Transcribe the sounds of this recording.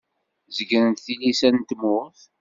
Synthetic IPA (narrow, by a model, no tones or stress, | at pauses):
zəɡənənt̪θilisænt̪mʊʁθ